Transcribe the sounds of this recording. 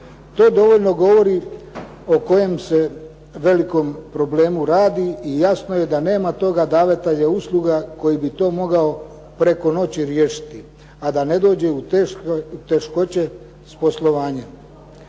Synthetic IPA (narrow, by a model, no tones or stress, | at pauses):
t̪o̞ːd̪o̞ʋo̞ʎno̞ɡo̞ʋo̞ɾi | o̞ko̞je̞mse̞ | ʋe̞liko̞mpɾo̞ble̞ːmuɾaːd̪iijasno̞je̞d̪ane̞ːmat̪o̞ɡad̪aːʋet̪eʎauslˠuɡako̞jibit̪o̞ːmo̞ɡao | pɾe̞ko̞no̞t͡ɕiɾjeːʃi̥t̪i | ad̪ane̞d̪o̞ːd͡ʑe̞u | ut̪e̞ʃko̞t͡ɕe̞ | spo̞slˠo̞ʋaːɲa